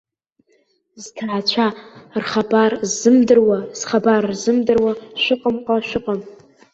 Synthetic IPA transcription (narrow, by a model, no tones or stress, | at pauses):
ztʰaːt͡ʃʷʰarχabarzɨmdɨrwaz̥χabarːzɨmdɨrwaʃʷʊqʼəmqʼaʃʷᶣʊqʼəm